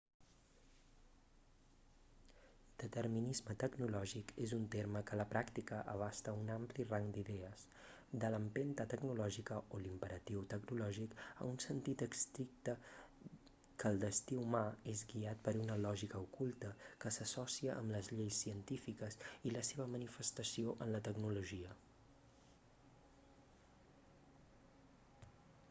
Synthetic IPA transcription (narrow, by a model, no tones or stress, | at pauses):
d̪̥ət̪ərminizmət̪əɡnulɔʒikezunt̪eɾməkələpɾakt̪ikəʔəβ̞ast̪əunampliraŋd̪iðɛəs | d̪ələmpent̪ət̪əɡnulɔʒikəolimpəɾət̪iwt̪əɡnulɔʒikə̰unsənt̪it̪əkst̪ɾik̚t̪ə | kəːlˠd̪əst̪iumaezɡiat̪̚pəɾunəlɔʒikəukulˠt̪əkəsəsɔsiəʔə̰mləzʎejsːiənt̪ifikəziləseβ̞əmənifəst̪əsioʔənlət̪əɡnuluʒiə